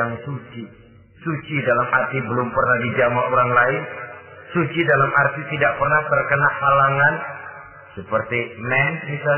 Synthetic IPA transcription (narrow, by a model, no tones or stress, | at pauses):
aŋsut͡ʃi | sut͡ʃidalamʔart̪ibəlʊmpərnahdid͡ʒamaoɾaŋlaɪnsut͡ʃidalamʔart̪it̪idaʔk̚pərnaht̪ərkənahalaŋan | səpərt̪imɛntmisal